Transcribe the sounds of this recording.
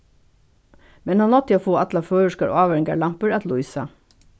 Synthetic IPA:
mɛnhɑnɔt̪əoːfoːɑt̪lɑføːəʂkɑɾʔo̰ɑːʋæɾɪŋɡɑɭɑmpəɹɑt̪lʊiːsɑ

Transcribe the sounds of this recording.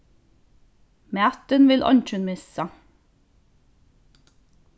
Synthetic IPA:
mæːt̪ənʋɪlʔɔ̰nc͡çʉnmɪsə

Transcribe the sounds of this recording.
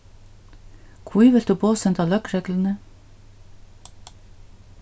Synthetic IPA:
kʰwiːʋɪld̪̥ʉːboːsɛnt̪ɑːlœkɾeːɡlənə

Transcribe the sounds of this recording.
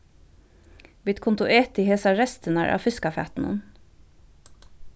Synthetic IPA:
ʋeːt̪kʰʊnt̪ʊʔeːt̪ɪheːsɑɾɛst̪ənæ̰ɹʔɑ̰ːfʏskɑfæ̰ːt̪n̩ə̰n

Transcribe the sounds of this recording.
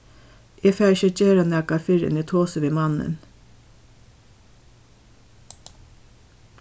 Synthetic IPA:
ʔeːfæʃət͡ʃeːɾɑnæːkɑfɪɾə̰niːt̪ʰoːsəʋiːmɑnə̰n

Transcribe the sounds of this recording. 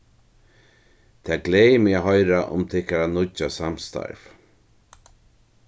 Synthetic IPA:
t̪ʰɛːɡleːjmɪaɦɔjɾaʔʊ̰mt̪ʰɪhkaɾanʊt͡ʃasamst̪a̰ɹv

